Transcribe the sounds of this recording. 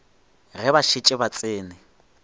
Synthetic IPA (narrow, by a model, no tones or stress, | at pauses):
rɛbaʃit͡ʃʼɪbat͡sʼɪːnɪ